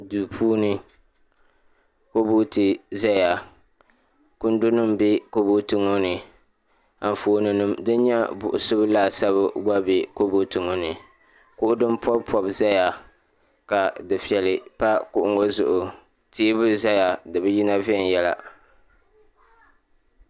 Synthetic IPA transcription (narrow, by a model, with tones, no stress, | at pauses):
du˨pʰuː˦nɨ˦ | ko˦bo˦tɨ˨za˦ja˨ | kʊ˦n˦dʊ˦nɨ˦mbe˦ko˦bo˦tɨ˨ŋo˦nɨ˨ | a˨ɱ˨foː˨nɨ˨nɨ˦mdɨ˦n˦ɲɛ˦bʊ̰˨ʔʊ˨sɨ˦blaː˦˨sa˦βɨ˦ɡ͡ba˦be˨ko˦bo˨tɨ˨ŋo˦nɨ˨ | kʊ˦ʔʊ˦dɨ˦mpʰɔ˦bpʰɔ˨bza˦ja˨ | ka˨dɨ˨fi˨ɛ˨lɨ˨pa˦kʊ˦ʔʊ˦ŋo˦zʊ˨ʔʊ˨ | tiː˦bɨ˦za˦ja˨dɨ˨bɨ˦ji˦na˦vi˦ɛ˦˨n˨jɛ˦la̰˨